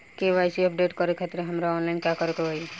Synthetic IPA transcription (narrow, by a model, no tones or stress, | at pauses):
keʋajsiəpɖeːʈkɔɾekʰat̪ɾeɦəmɾaɔːnlaɪnkjakəɾekoɦoj